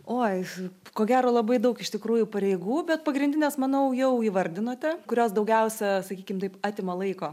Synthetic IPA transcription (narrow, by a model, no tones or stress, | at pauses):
oːkoːɡʲæːɾoːlˠɐbɐɪd̪ɐʊkɪʃt̪ʲɪkɾuːjʊpɐɾʲɛɪɡuːbʲɛt̪̚pɐɡɾʲɪndʲɪnʲɛːsmɐnɐʊjɛʊiːʋɐrʲd̪ʲɪnoːt̪ʲɛkʊɾʲoːsd̪ɐʊɡʲɛʊsʲɛsɐkʲiːkʲɪmt̪ɐɪpɑːt̪ʲɪːmɐlˠɐɪkoː